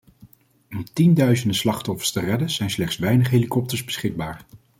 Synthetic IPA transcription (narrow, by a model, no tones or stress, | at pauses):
ɔmtindœɥzəndəslɑχtɔfə̥ɹstərɛdənz̥ɛjnslɛχtsʋɛjnəχɦeːlikɔp̚təɹzbəsχɪɡ̚baːɹ